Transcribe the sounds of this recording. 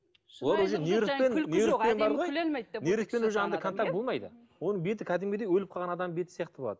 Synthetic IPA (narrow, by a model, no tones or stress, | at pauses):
lˠɑɾwɵʒeneɾɪspenneɾɪpenbɑɾəʁojneɾɪspe̞nwɵʒeɑnd̪ɑkʰont̪ak̪̚bo̞lˠmɑjd̪ə | wo̞nəɴbe̞t̪̬ɪkʲʰæd̪ɪmɡʲed̪ejwɵlɪp̚qʰɑlʁɑnɑd̪ɑmbe̞t̪ɪsjɑqt̪əboɑ̰d̪əə